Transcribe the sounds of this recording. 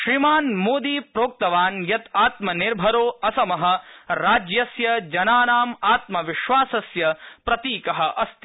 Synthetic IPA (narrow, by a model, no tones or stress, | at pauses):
ʃɾimaːnmoːd̪iːpɾoːk̚t̪ɐʋaːnjɐt̪aːt̪mɐniɾbʱɐɾoːɐsɐmɐɦɐ̆ɾaːd͡ʒjɐsjɐd͡ʒɐnaːnaːmaːt̪mɐʋiʃʋaːsɐsjɐpɾɐt̪iːkɐɦɐ̆ʔɐst̪i